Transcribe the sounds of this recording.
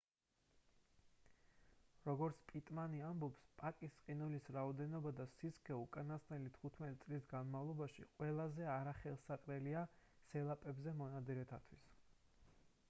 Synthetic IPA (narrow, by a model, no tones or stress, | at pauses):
ɾɔɡɔɾt̪sʰpʼit̪ʼmaniambɔpspʼakʼisqʼinulisɾaɔd̪ɛnɔbad̪asiskʰɛukʼanast̪ʼnɛlit̪ʰχut̪ʰmɛt̪ʼit̪sʼlisɡanmavlˠɔbaʃḭqʼwɛlˠazɛaɾaχɛlˠsaqʼɾɛlia | sɛlˠapʼɛbzɛmɔnad̪ziɾɛt̪ʰat̪ʰwis